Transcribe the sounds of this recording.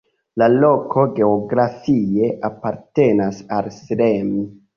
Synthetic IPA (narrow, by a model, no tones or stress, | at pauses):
lalo̞kʰo̞ɡe̞oɡɾafie̞ʔapaɾte̞nasalsɾemi